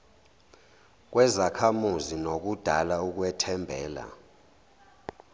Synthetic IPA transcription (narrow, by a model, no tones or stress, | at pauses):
k̬wɛzakʰamuzinok̬ud̥ʱalauk̬wɛtʰɛmbʱɛ̰ːla̰